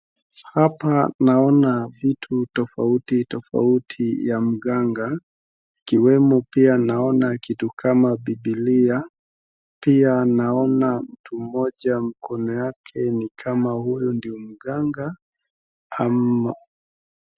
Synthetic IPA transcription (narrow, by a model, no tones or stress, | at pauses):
hapanaɔnavitʰutɔfautitɔfa̰utʰijam̩ɠaŋɡa | ikiwɛmɔpianaɔnakitukʰamaɓiɓilia | pianaɔnam̩tʰum̩mɔʄam̩kʰɔnɔjakʰɛnikʰamahujundiɔm̩ɠaŋɡa | ama